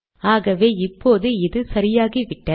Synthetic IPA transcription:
aːɣɐʋeːɪpːoːðɯɪðɯsɐɾɪjaːɣiʋɪʈːɐ

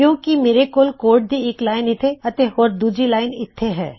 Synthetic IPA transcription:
kjõːkimeːɾekoːlkoːɾʈ̚d̪ʱieklaːɪnɪt̪ʰeɐt̪ehoːɾd̪uːd͡ʒɾilaːɪnɪt̪ʰːeɦɛ̰ː

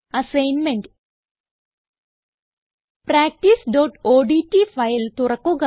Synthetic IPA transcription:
ɐsɐjnmeɳɖ | pɾaːk̚ʈisɖoːʈoːɖiʈːifɐjlt̪urɐkːuɣɐ

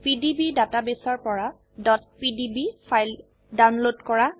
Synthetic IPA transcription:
pidibidatabesaɹpɔɹa | dɔt̚pidibipʰajl | dawnlodkɔɹa

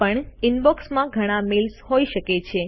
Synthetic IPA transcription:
pəɳinbɔksmãɡʱəɽ̃ãmilsɦoiʃəket͡ʃʰe

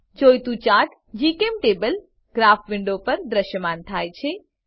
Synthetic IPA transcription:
d͡ʒojt̪ut͡ʃaʈ | d͡ʒikemʈebəl | ɡɾapʰʋiɳɖopəɾd̪ɾəʃjəmant̪ʰajt͡ʃʰɛ

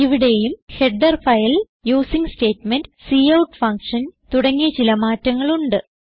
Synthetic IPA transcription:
iʋiɽe̞jumheɖdɐrfɐjɐl | juːsiŋste̞ːtmendsiːɐwʈfɐŋkʂɐnt̪uɽɐŋːiɐt͡ɕilɐmaːtːɐŋːɐɭuɳɖɨ

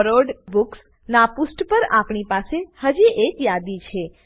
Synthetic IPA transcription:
ɾoɖbuks | napusʈpəɾapɳipasehəd͡ʒiʔekjad̪it͡ʃʰe

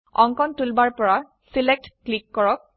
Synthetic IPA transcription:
ɔŋkɔntulbaɹpɔɹa | silek̚tklikːɔɹɔk̚

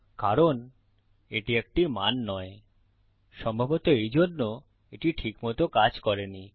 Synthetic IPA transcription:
kaɾon | eʈiek̚ʈimanːɔe | ʃɔmbʱabot̪oejd͡ʑonːo | eʈiʈʰikmɔt̪okad͡ʑkɔɾeni

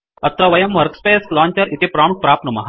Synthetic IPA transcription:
ɐt̪ɾɐʋɐjɐmʋɐɾkspeːsklɔːɲt͡ʃɐɾʔit̪epɾaːmuk̚pɾaːp̪̚nɐmɐ̰ɦ

